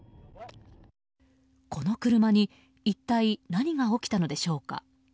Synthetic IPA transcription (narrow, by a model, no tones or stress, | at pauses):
ko̞no̞kɯ̟ɾɯ̟maɲ̟i | it̪ːainaɲ̟iɡao̞kʲi̥t̪ano̞d̪e̞ɕo̞ːka̰